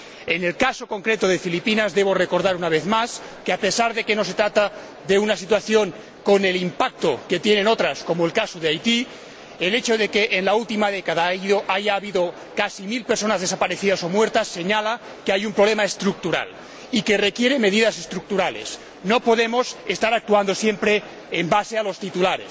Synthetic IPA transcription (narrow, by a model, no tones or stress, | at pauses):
e̞ne̞lkaso̞ko̞ŋkɾe̞t̪oðe̞filipinazðe̞β̞o̞re̞ko̞ɾðaɾunaβ̞e̞θmas | keape̞saɾðe̞ke̞no̞s̬e̞t̪ɾat̪a | ðe̞unasit̪waθjo̞ŋ | ko̞ne̞limpak̚t̪o̞ke̞t̪je̞ne̞no̞t̪ɾasko̞moe̞lkasoð̞eajt̪i | ele̞t͡ʃo̞ðe̞ke̞ʔːnlault̪imaðe̞kaðaiðoʔaʝaːβiðo̞ | kasimilpe̞ɾso̞nazðe̞sapaɾe̞θiðaso̞mwe̞ɾt̪asːe̞ɲala | keajumpɾoβle̞mae̞st̪ɾuk̚t̪uɾa̰l | ike̞re̞kje̞ɾe̞me̞ðiðase̞st̪ɾuk̚t̪uɾale̞̰s | no̞po̞ðe̞mo̞sest̪aɾak̚t̪uand̪o̞sje̞mpɾe̞ː | mbase̞alo̞st̪it̪ulaɾḛs